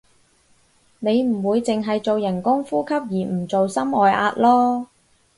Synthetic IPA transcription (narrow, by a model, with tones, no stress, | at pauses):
ne˨˧jm̩˨˩wuː˨˧jt͡sɪ˨ŋɦɐ˨jt͡so˨wjɐ˨˩nkʊ˥ŋfuː˥kʰɐ˥p̚jiː˨˩m̩˨˩t͡so˨wsɐ˥mɔː˨jʔa̰ː˧t̚lɔː˥